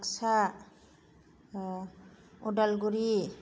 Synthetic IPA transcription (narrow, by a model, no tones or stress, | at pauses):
ksa | oɖalɡuɾi